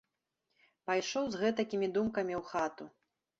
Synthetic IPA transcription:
pajʂɔwzɣɛt̪ɐkʲimʲid̪umkɐmʲiwxat̪u

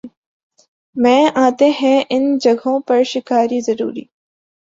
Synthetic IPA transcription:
mɛ̃ːʔaːt̪eɦɛ̃ːʔɪnd͡ʒɐɡʱõːpɐɾʃɪkaːɾizɐɾṵːɾḭː

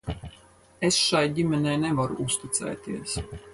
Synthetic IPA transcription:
esʃajɟimʲɛnɛːnɛvaɾṵust̪it̪sɛ̰ːt̪iɛs

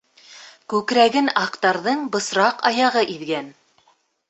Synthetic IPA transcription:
kʉkɾæɡɘnɑqt̪ɑɾðɤɴbɤ̆sɾɑqɑjɑʁɤʔiðɡæn

